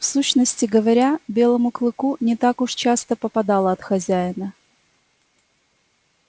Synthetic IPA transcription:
fsuɕnəsʲtʲɪɡəvɐɾʲabʲe̞lˠəmʊklˠɨkunʲɪt̪akʊʂt͡ɕast̪əpəpɐd̪alˠəɐt̪xɐzʲæɪnə

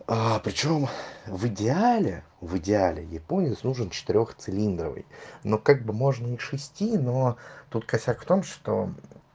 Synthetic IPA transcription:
apɾʲɪt͡ɕo̞mvɨdʲɪalʲɪ | vɨdʲɪalʲɪ̰jɪpo̞nʲɪsnuʐənt͡ɕɪ̥t̪ɪɾʲo̞xt̪sɨlʲind̪ɾəvɨ̰jno̞kaɡ̚bɨmo̞ʐnəixʂɨsʲtʲino̞t̪ut̪kɐsʲakft̪o̞mʂt̪o̰

